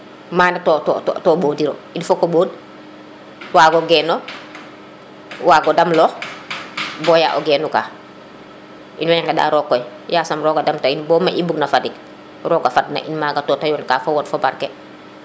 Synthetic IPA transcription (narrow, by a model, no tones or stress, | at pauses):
maːnatotːtːtoboːdiɾo̰infokoboːd | waːɡoɡɛːno | waːɡodamlɔː | boja̰ːʔoɡɛːnukaː | ʔinwaɲaŋɡada̰ːɾokːoj | jaːsamɾoːɡadamtainbɔːmaʔibuɡnafadik | ɾoːɡafadna̰ʔinmaɡatotajoːnkaːfowotfobaɾke